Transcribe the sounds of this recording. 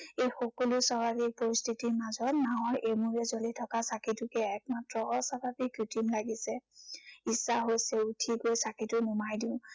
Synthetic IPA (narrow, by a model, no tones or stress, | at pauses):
ejxɔkɔlʊsababik̚poɹistʰitiɹmazɔtnawɔɹʔemuɹɛzolitʰɔkasakitʊkɛɛk̚matɹɔɦɔsabʱabikjutʰimlaɡisɛ | isaɦojsɛutʰikojsakitʊmumajdiʊ̃